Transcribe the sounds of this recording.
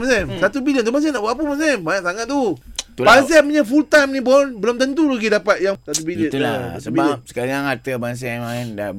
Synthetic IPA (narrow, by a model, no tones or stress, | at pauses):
masɛmsat̪ubiliənt̪umas̬ɛnaʔbaapəmans̬ɛmansaŋat̪̚t̪ːut̪ulbas̬apuɲafult̪amnĩbɔnbəlomt̪ənt̪̬ulaɡidapat̪̚jaŋsat̪ubiləa̰səbibalən̚sə̥kaliaŋat̪əbans̬ɛmanda̰